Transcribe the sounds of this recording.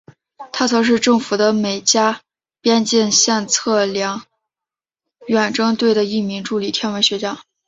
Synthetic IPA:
t̪ʰa˥t͡sʰɤ˧˥ŋʂ̬ɻ̩˥˧ʈ͡ʂɤ˥˩ŋfu˨˩d̪ə˦me˨˩ɪt͡ɕja˥ | pjɛ˥nt͡ɕi˥˧nɕjɛ˥˧nt͡sʰɤ˥˩ljɑ˧˥ŋ | ɥɛ˨˩nʈ͡ʂɤ˥ŋt̪we˥˩ɪd̪ə˩i˥˩mi˧˥ŋʈ͡ʂu˥˩li˨˩t̪ʰjɛ˥nwe˧˥ɪɕɥɛ˧˥t͡ɕjɑ˥

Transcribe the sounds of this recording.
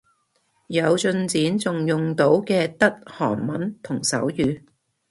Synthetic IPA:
jɐ˨˧wt͡sɵ˧nt͡siː˨˥nt͡sʊ˨ŋjʊ˨ŋt̪o˨˥wkɛː˧t̪ɐ˥t̚hɔ̰ː˨˩ŋmɐ˨˥nt̪ʰʊ˨˩ŋsɐ̰˨˥wjyː˨˧

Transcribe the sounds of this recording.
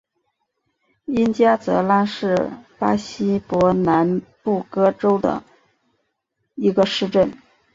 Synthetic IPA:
i˥nt͡ɕja˥t͡sɤ˧˥la˥nʂɻ̩˥˩pa˥ɕi˥pwɔ˧˥na˧˥npu˥˩kɤ˥ʈ͡ʂo˥ʊd̪ə̰˩ | i˧˥ɡə˧ʂɻ̩˥˧ʈ͡ʂə˥˩n

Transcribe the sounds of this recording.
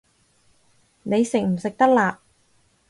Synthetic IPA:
ne˨˧jsɪ˨k̚m̩˨˩sɪ˨k̚t̪ɐ˥k̚laː˨˧

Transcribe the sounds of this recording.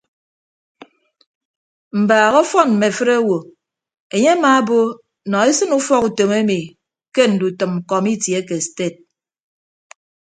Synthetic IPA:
m̩˨baː˨ɣɔ˦fɔ˦nm̩˨me˨fɨ˦ɾa˦wo˨ | e˨ɲe˦a˦maː˨˦bo˦ | nɔ˨e˦sɨ˦nu˦fɔ˦ku˨to˨me˦mi˨ | ke˦n̩˨du˨tɨ˨m̩˨kɔ˨mi˦tje˨˦ke˨ste˦˨t̚

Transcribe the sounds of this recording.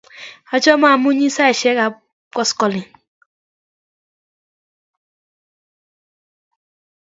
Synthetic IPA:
a˨t͡ʃɔ˦ma˦˨mũ˦ɲĩ˦sa˦ɛ˨ʃɛ˨˦ka˨ | kɔ˦skɔ˨lĩ˨

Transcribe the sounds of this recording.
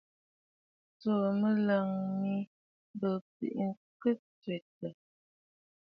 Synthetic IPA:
t͡so˨mə˦lə˨ŋmi˦ | bə˨pḭ˨ʔŋ̩˦kə˦t͡sɥe˨tə˨

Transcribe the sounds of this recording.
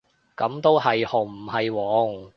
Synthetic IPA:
kɐ˨˥mt̪o˥whɐ˨jho˨˩m̩˨˩hɐ˨jwɔː˨˧˥ŋ

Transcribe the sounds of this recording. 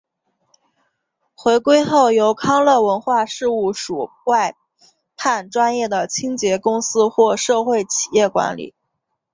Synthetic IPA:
xwe˧˥ɪkwe˥ɪxo˥˩ʊjo˧˥ʊkʰɑ˥ŋlɤ˥˩wə˧˥nxwa˥˧ʂɻ̩˥˧u˥˩ʂu˨˩ | wa˥˧ɪ | pʰa˥˩nʈ͡ʂwa˥njɛ˥˩d̪ə˩t͡ɕʰi˥ŋt͡ɕjɛ˧˥kʊ˥ŋsɹ̩˥xwɔ˥˧ʂɤ˥˧xwe˥˩ɪt͡ɕʰi̥˨˩jɛ˥˩kwa̰˧˥nlḭ˨˩˦

